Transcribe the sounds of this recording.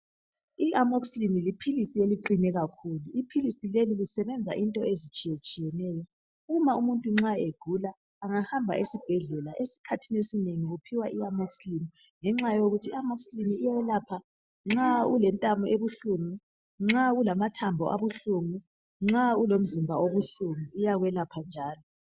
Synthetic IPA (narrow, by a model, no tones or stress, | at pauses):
iʔamokslinilipʰilisieliǃinɛɣakʰuluipʰilisilelilisɛβɛnd͡zʱa̰ʔintʼɔezit͡ʃʼijet͡ʃʼijɛnɛːjɔ | uumaumuntʼuŋ͡ǁaeɡ̥ʱulaː | ŋahambʱa̰ʔesib̥ʱɛɮɛlaʔesi̥kʰatʰinesineŋiɣupʰiwaʔiamokslini | ŋɛŋ͡ǁajoɣutʰiamɔksliniːjawɛlapʰa | ŋ͡ǁaulɛntʼamɔʔeβuɬuŋu | ŋ͡ǁaɣulamatʰambʱɔʔa̰βuɬuŋu | ŋ͡ǁaulom̩zimbʱaoβuɬuŋuːjaɣwɛlapʰand͡ʒʱaːlɔ